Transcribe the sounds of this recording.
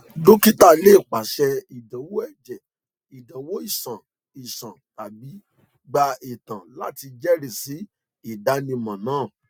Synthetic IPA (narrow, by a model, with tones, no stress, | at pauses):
do˦ki˦ta˦˨le˦˨k͡pa˨ʃɛ˧i˨dã˨˦wo˦ɛ˦˨d͡ʒɛ˨ | i˨dã˨wo˦i˦˨sã˨ | i˨sã˨ta˨bi˨˦ | ɡ͡ba˧i˨tã˨la̰˦ti˧d͡ʒɛ˦ɾe˨si˨˦ | i˦˨da˨˦nĩ˧mã˨nãː˦˨